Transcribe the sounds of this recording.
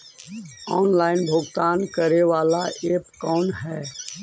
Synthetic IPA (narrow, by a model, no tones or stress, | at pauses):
ɔːnlaːɪnbʱoːɡt̪aːnkəɾeʋaːlaʔeːpkɔːnɦɛː